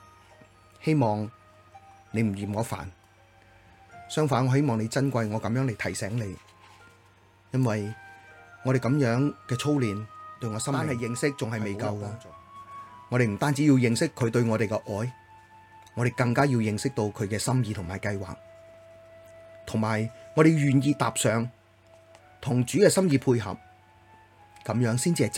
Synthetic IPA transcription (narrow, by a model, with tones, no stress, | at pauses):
he˥jmɔː˨ŋ | ne˨˧m̩˨˩jiː˨˩mŋɔː˨˧fa̰ː˨˩n | sœː˥ŋfaː˨˥nŋɔː˨˧he˥jmɔː˨ŋne˨˧jt͡sɐ˥nkʷɐ˧jŋɔː˨˧kɐ˨˥mjœː˨˥ŋle˨jtʰɐ˨˩jsɛː˨˥ŋle˨˧j | jɐ˥nwɐ˨j | ŋɔː˨˧ɾe˨˩kɐ˨˥mjœː˨˥ŋkɛː˧t͡sʰo˥wliː˨nt̪ɵ˧ɥŋɔː˨˧sɐ˥mmː˥nhɐ˨jɪ˨˧ŋsɪ˥k̚t͡sʊ˨ŋhɐ˨jme˨jkɐ˧wkaː˧ | ŋɔː˨˧ɾe˨jm̩˨˩t̪aː˥nt͡si˨˥jiː˧wjɪ˨˧ŋsɪ˥kʰːɵ˨˧ɥt̪ɵ˧ɥŋɔː˨˧ɾe˨jkɛ˧ʔɔː˨˥j | ŋɔː˨˧ɾe˨˩jkɐ˧ŋkaː˥ji˧wjɪ˨ŋsɪ˥k̚t̪o˧wkʰɵ˨˧ɥkɛː˧sɐ˥mjiː˧t̪ʰʊ˨˩ŋmaː˨˩jkɐ˧jwa̰ː˨k̚ | t̪ʰʊ˨˩ŋmaː˨˩jŋɔː˨˧ɾe˨jɥyː˨njiː˧t̪aː˨p̚sœː˨ŋ | t̪ʰʊ˨˩ŋt͡ʃyː˨˥kɛː˧sɐ˥mjiː˧pʰuː˧jɦɐ̰˨p̚ | kɐ˨˧mjœː˨˥ŋsiː˥nt͡siː˧hɐ˨˩t͡s